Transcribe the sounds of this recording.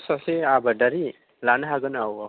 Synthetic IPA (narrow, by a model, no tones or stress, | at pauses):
saseabadaɾi | lanɦaɡɯnawa